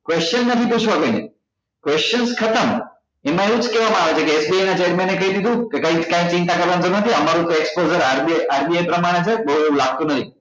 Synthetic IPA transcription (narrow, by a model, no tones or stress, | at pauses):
kʋest͡ʃənːət̪ʰiput͡ʃʰʋakəinḛ | kʋest͡ʃənskʰət̪əm | emãeʋũd͡ʒkɛʋamãaʋet͡ʃʰekeːsbiajnat͡ʃeːɾmẽnːekəɦid̪id̪ũkekaĩkãĩt͡ʃĩnt̪akəɾʋansəɾnət̪ʰiəmaɾũt̪oekspod͡ʒəɾaɾiaɾbiajpɾəmaɽ̃et͡ʃʰebəɦueũlaɡ̚t̪ũnət̪ʰi